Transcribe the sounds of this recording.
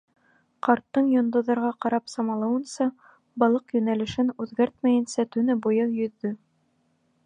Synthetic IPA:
qɑɾt̪ːɤɴjŏnd̪ŏðɑɾʁɑqɑɾɑpsɑmɑlˠɑwɤ̆nsɑ | bɑlˠɤqjɵ̆nælɘ̆ʃɘnʉðɡæɾt̪mæjɘ̆nsæt̪ɵ̆nɘbujɤjɵ̆ðːɵ

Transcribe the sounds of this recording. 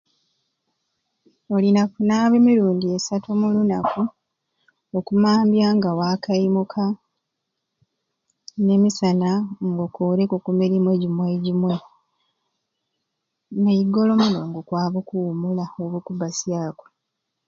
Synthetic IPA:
olinakunaːβemiɾuːndiesatʰomulunaku | okumaːmbjaŋɡawaːkajimukʰa | ne̞misanaŋɡokoːɾekokumiɾimwe̞ɟimwe̞ɟimwe̞ | nejiɡo̞lo̞muno̞ːŋɡokwaːβokuːmulaoβokubasjaːko̥

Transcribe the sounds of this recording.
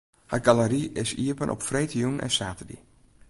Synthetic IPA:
harɡaləɾiʔɪsiːəpənʔɔ̰pfrejtijunɛ̰nsaːtədḭ

